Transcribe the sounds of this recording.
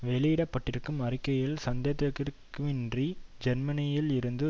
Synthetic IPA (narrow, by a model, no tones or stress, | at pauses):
ʋɛlɪjɪɽɐpːɐʈːɪɾɯkːɯmɐrɪkːɐjɪlsɐnd̪ɐt̪ːɐkːɪɾkːɯmɪndrid͡ʒɛnmɐnɪjɪlɪɾɯnd̪ɯ